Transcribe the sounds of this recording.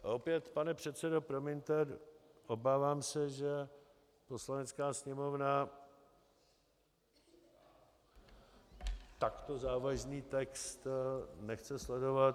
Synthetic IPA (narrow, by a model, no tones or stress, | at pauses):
ʔopjɛt̪panɛpr̝̥ɛt̪sɛdo̞pɾomɪnt̪ɛɾʔo̞baːvaːmsɛʒɛ | po̞slanɛt͡skaːsɲɛmo̞vna | t̪akt̪o̞zaːvaʒniːt̪ɛkst̪nɛxt͡sɛslɛdo̞vat̪